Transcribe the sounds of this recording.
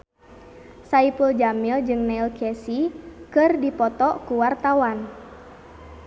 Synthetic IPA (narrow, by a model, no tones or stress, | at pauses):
saipuld͡ʒamild͡ʒɨŋnɛilkʰɛsikɨrdipɔt̪ɔkuwart̪awan